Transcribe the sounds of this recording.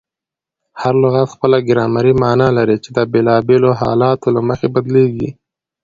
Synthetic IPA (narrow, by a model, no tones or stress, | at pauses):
haɾlʊɣat̪xpəlaɡɪɾɑmaɾimɑnɑlaɾit͡ʃed̪əbelɑbeloɦɑ̰lɑt̪olaməxebad̪leɡḭ